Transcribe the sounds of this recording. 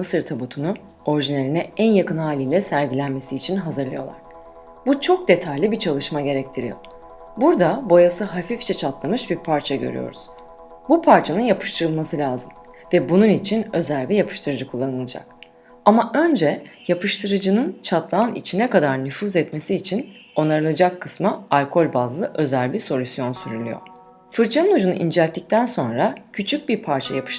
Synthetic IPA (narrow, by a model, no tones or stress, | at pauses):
ɯsɯɾt̪ʰabut̪ʰunu | o̞ɾiʒinelʲinɛænjakɯnɦaːlʲilʲɛsæɾɟilʲænme̞siːt͡ʃʰinɦazɯɾlˠɯjo̞̰lˠa̰ɾ̥ | but͡ʃʰo̞k̚d̪e̞t̪ʰajlʲibit͡ʃʰalˠɯʃmaɟe̞ɾɛc̚t̪ʰiɾḭjo̰ | buɾd̪abo̞jasɯɦafift͡ʃʰɛt͡ʃʰat̪lˠamɯʃbiɾpʰaɾt͡ʃʰaɟøɾy̰jo̰ɾuz̥ | bupʰaɾt͡ʃʰanɯnjapʰɯ̥ʃt̪ʰɯɾɯlˠmasɯlʲaːzɯm | vɛbununit͡ʃʰinø̞zælʲbijapʰɯ̥ʃt̪ʰɯɾɯd͡ʒɯkʰulˠːanɯlˠad͡ʒa̰k̚ | amaʔø̞nd͡ʒɛjapʰɯʃt̪ʰɯɾɯd͡ʒɯnɯnt͡ʃʰat̪lˠaːnḭt͡ʃʰinɛkad̪aɾnyfuːzɛt̪me̞siːt͡ʃʰino̞naɾɯlˠad͡ʒakʰːɯsmaalʲkʰo̞lʲbazlˠɯʔø̞zælʲbiɾso̞lʲysjo̞nsyɾylʲy̰jo̞̰ɾ | fɯɾt͡ʃʰanɯnud͡ʒunṵʔind͡ʒɛlʲt̪ʰːic̚t̪ʰænso̞nɾacʰyt͡ʃʰyc̚biɾpʰaɾt͡ʃʰajapʰɯ̥ʃ